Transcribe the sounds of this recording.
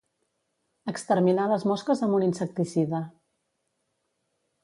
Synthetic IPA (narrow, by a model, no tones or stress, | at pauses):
əkst̪əɾminaləzmɔskəzəmuninsək̚t̪isiðə